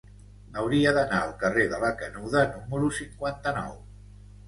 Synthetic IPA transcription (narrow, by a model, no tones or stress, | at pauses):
awɾiaðanawkareðaβakanuwðanuməɾusiŋkwant̪anɔ̰w